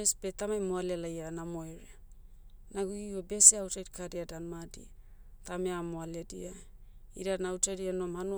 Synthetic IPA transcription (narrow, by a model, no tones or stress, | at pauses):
esbetamajmoalealajanamoeɾea | naɡuiobe̞siawtajdikʰadiadanmadḭa | tameamoaleadia | iɾanaawtajdianoamhanu